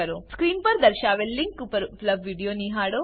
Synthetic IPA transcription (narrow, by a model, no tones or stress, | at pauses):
ɐɾoskɾiːnpɐɾd̪ɐɾʃaːʋelːiŋkːupɐɾplɐʋʋiːɖijoːniɦaːɽoː